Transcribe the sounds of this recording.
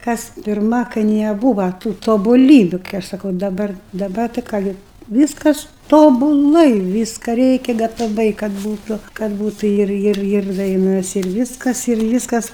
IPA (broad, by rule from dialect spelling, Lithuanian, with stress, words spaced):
ˈkɐs pʲɪrˈmɐ kɐɪ nʲɛˈbuːʋɐ tuː toːbʊˈlʲiːbʲʊ kɐɪ ˈɐʃ sɐˈkɐʊ dɐˈbɐr dɐˈbɐr tɐɪ ˈkɑː ɡʲɪ ˈʋʲiːskɐs ˌtoːbʊˈlˠɐɪ ˈʋʲiːskɑː ˈrʲɛɪkʲɛ ɡɐtɐˈʋɐɪ kɐt ˈbuːtʊ kɐt ˈbuːtʊ ˈɪr ˈɪr ˈɪr dɐɪˈnɐs ɪr ˈʋʲiːskɐs ɪr ˈʋʲiːskɐs